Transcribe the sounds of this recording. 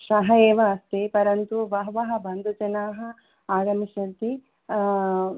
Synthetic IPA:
ʃɐɦɐeːʋɐːst̪eːpɐɾɐnt̪uʋɐɦɐʋɐɦɐ̆bʱɐnd̪ʱud͡ʒɐnaːɦɐ | aːɡɐmiʃɐt̪i

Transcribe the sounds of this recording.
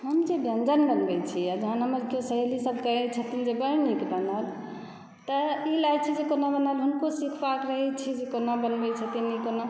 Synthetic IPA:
ɦəmd͡ʒebʱjənd͡ʒənbənbɛt͡ʃʰiad͡ʒəɦanɦəməɾkjosəɦelisəbʱkəɦɛt͡ʃʰət̪ind͡ʒebəɾnikbənal | t̪əilat͡ʃʰid͡ʒekonabənalɦunkosikʰbakɾəɦɛt͡ʃʰid͡ʒekonabənbɛt͡ʃʰət̪inikona

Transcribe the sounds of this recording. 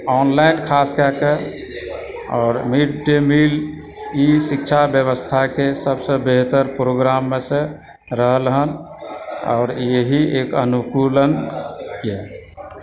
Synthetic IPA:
ɔnlaɪnkʰaskɛke | ɔːɾmiʈʈemil | isik̚t͡ʃʰabjəβəst̪ʰakesəbsə̃beɦt̪əɾpɾoɡɾamːesẽ | ɾəɦəlɦən | ɔ̰ʊɾjeɦiekənukulənke

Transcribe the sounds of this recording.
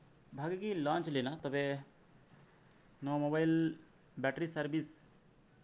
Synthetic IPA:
bʱaɡekilãːnt͡ʃlenat̪ɔbe | nomobajl | bɛʈɾisɐɾbis

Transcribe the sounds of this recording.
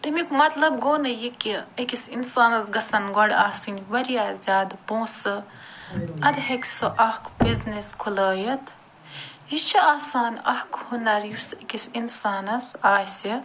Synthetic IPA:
t̪ɐmikmɐt̪lɐb̚ɡoːnɐjikʲːiɐkisinsaːnɐsɡɐsɐnɡɔɽaːsinʲʋɐɾijaːzʲjaːd̪põːsɨ | ɐd̪ɦeksɨʔɐhkʰbizneskʰulɐːjɐt̪ʰ | jit͡ʃʰiaːsaːnʲɐkʰhunɐɾjusekʲisinsaːnɐsaːsi

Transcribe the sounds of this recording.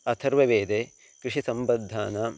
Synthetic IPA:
ɐt̪ʰɐɾʋɐʋeːd̪e | kɾɪʂisɐmbɐd̪ʱːaːnaː

